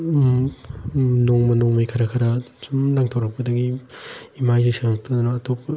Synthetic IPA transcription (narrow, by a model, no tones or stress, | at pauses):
noŋmɐnoŋmajkʰɐɾakʰɐɾasumlaŋtʰawɾɐk̚pɐdɐɡiimajzesaŋŋtʰɐd̪unɐːtʰop̚